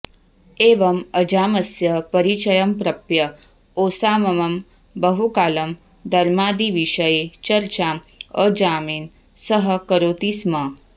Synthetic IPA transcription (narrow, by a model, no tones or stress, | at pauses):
eːʋɐmɐd͡ʒaːmɐsjɐpɐɾit͡ʃɐjɐmpɾɐpjɐ | oːsaːmɐmɐm | bɐɦukaːlɐm | d̪ɐɾmaːd̪iʋiʂɐjet͡ʃɐɾt͡ʃaːm | əd͡ʒaːmiːn | sɐɦɐ̆kɐɾoːt̪ismɐ